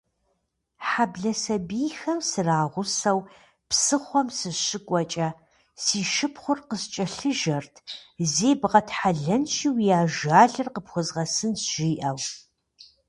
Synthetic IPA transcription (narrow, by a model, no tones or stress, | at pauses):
ħabɮɐsɐbiːxɐmsɨraːʁʷʊsɐw | psɨχʷɔmsɨɕɪkʷʼɔt͡ʃʼɐ | siːʃɪpʰχʷʊrqəst͡ʃʼɐɬɨʒɐrtʰzeːbʁɐtħaɮɐnʃiːwjaːʒaːɮɨrqəpxʷʊzʁɐsɨnsʒ̥iːʔɐw